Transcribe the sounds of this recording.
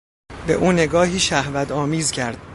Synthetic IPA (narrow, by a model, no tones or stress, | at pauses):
be̞̰ʔuːne̞ɡɒːɦiːʃæhvæt̪ɒːmiːzcʰæɾd̪̥̚